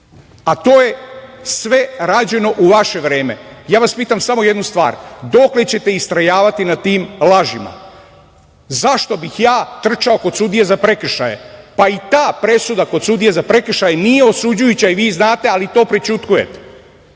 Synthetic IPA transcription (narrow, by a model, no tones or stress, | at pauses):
at̪oːje̞sʋe̞ɾaːd͡ʑe̞no̞ʔuʋaʃe̞ʋɾeːme̞̰jaːʋaspiːt̪amsamoje̞d̪nust̪ʋa̰ːɾd̪o̞kle̞t͡ɕe̞t̪e̞ist̪ɾajaːʋat̪inat̪iːmlˠaʒima̰ | zaʃt̪o̞bixjaːt̪r̩t͡ʃao̞ko̞d̪sud̪ijezapɾekr̩ʃa̰jḛpait̪aːpɾe̞sud̪ako̞d̪sud̪ijezapɾe̞kr̩ʃajenije̞o̞sud͡ʑujut͡ɕaiʋiːznaːt̪e̞alit̪o̞ːpɾet͡ʃut̪kuje̞̰t̪e̥